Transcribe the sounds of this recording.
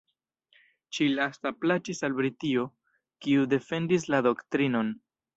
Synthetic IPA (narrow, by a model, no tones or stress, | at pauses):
t͡ʃilastaplat͡ʃisalbɾitio̞ | kiude̞fe̞ndis̬lado̞ktɾino̞n